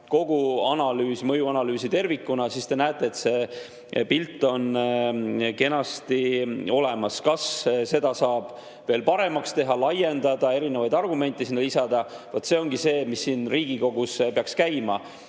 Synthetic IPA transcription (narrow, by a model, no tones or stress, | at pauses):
ko̞ɡ̥uɑnɑlyːsmɤjuɑnɑlyːsit̪e̞rvikːˑunɑsist̪e̞næːt̪ːˑe̞ːt̪se̞ | pilt̪ːˑo̞n | ke̞nɑst̪io̞le̞mɑskɑsse̞d̪̥ɑsɑːb̥ | ve̞ːlpɑɾe̞mɑkst̪e̞ɦɑlɑje̞nd̪̥ɑd̪ɑe̞ɾinevɑjd̪ɑrɡume̞nʲt̪ːˑisinːɑlisɑd̪̥ɑvot̪ːˑse̞o̞ŋɡ̥ise̞ːmisːiːnriːɡ̥iko̞ɡ̥uspeɑkskæjmɑ